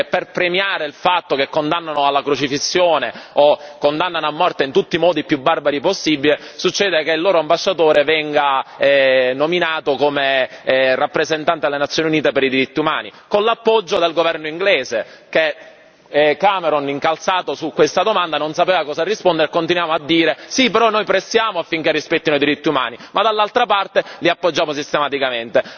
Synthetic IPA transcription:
pːerpɾemjaːɾeilfat̪ːokekːond̪anːanoalːakɾot͡ʃifisːjoːneokːond̪anːanoamːɔrt̪eint̪ut̪ːimɔːd̪ipːjubːarbaɾiposːibile | sut͡ʃːɛːd̪ekeilːoːɾoambaʃːat̪oːɾevɛŋɡaɛnominaːt̪okomerapːɾezent̪ant̪ed̪elːenat̪sjoːniuniːt̪epeɾid̪iɾit̪ːiuma̰ːnikonlapːɔd͡ʒːod̪elɡovɛrnoiŋɡleːzeke | kameɾoniŋkalsaːt̪osukwest̪ad̪omand̪anonsapeːvakɔːsarːispond̪eɾekːont̪inwaːmoad̪ːiːɾesipeɾɔnːojpɾesjaːmoafːiŋk̟erːispɛt̪ːinoid̪iɾit̪ːiuma̰ːnimad̪alːalt̪ɾapart̪eliapːod͡ʒːaːmos̬ist̪emat̪ikament̪e

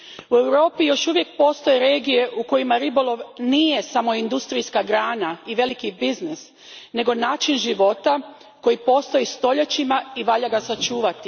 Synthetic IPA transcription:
ue̞wɾo̞ːpijo̞ʃuʋje̞k̚po̞ːst̪o̞je̞ɾe̞ːɡije̞ʔuko̞jimaɾibo̞lo̞ʋnijesamo̞ind̪ust̪ɾijskaɡɾaːnaiʋe̞likibiznis | ne̞ɡo̞naːt͡ʃinʒiʋo̞t̪a | ko̞jipo̞ːst̪o̞jist̪o̞ʎet͡ʃimaiʋaʎaɡasat͡ʃuːʋat̪i

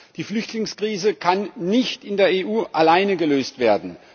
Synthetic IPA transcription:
d̥iːflʏçtʰlɪŋskʁ̥iːzəkʰanːɪçtɪndeːɐeːʔuːʔalaɪnəɡəløːstv̥eːɐdn̩

